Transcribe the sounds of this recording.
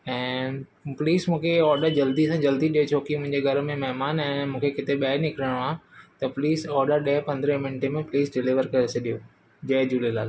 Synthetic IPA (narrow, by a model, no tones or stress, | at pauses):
ɛ̃ː | pliːzmũːkʰeɔːɾɖəɾd͡ʑɐld̪isãd͡ʑɐld̪iɗijot͡ɕʰoːkimʊ̃ɦɪ̃ɲd͡ʑeɡʱɐɾmẽmɛɦmaːnɛ̃ːmũːkʰekɪt̪eɓɛɪɾnɪkɾəɽ̃oaːt̪ɐpliːzɔːɾɖəɾɗẽpɐ̃nd̪ɾə̃mɪ̃ɳʈemẽpliːzɖɪliʋəɾkɐɾeseɗijo | d͡ʑɐːd͡ʑuːlelaːl